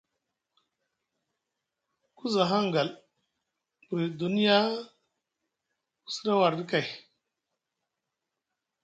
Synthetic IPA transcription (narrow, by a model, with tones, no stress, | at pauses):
ku˦za˨ɦa˦ŋ˨ɡa˨l | bi˨du˨ni˦ja˦ | ku̥˦˨si̥˦ɾa˦wa˨ɾdi˦ka˨j